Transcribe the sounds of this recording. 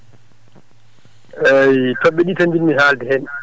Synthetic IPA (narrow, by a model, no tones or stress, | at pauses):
ejtɔɓːɛɗitandinːiɦaːldɛhɛn